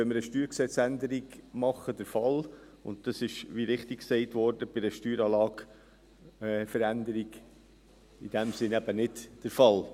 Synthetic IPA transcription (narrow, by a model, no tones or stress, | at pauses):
ɛməɾəʃtyːɾksɛt͡sændəɾiɡmɑχːəd̥əɾfɑl | ʊ̰nt̚d̥ɑsɪʃʋiɾɪχtɪkksɛɪtʋɔɾd̥əb̥ɪɾəʃtyːɾɑːlɑːɡ | ɛfəɾændəɾiɡ | id̥æmsɪnæbənɪdd̥əɾfɑl